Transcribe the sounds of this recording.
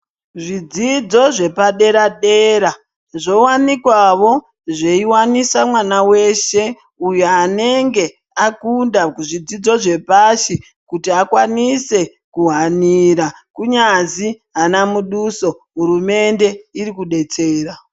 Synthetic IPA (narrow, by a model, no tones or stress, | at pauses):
ʐid͡zid͡zo̞ʐe̞paɗe̞ɾaɗe̞ɾa | ʐo̞wanikwaʋo̞ | ʐeiwanisamwanawe̞ʃe̞ | ujoane̞ŋɡe̞ | akundaʐid͡zid͡zo̞ʐe̞paʃi | kutiakwanise̞ | kuɦaniɾakuɲaziɦanamuɗuso̞ɦurume̞nde̞iɾikuɗe̞t͡seːra